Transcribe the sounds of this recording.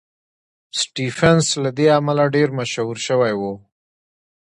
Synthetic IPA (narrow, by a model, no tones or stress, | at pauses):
sʈifenslad̪eamalaɖeɾmaʃhuɾʃəwajwo